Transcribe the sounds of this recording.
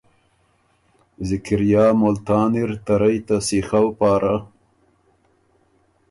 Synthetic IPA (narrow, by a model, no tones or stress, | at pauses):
zɪkɪɾjɑːmolt̪ɑːniɾt̪aɾajt̪asixawpɑːɾʔa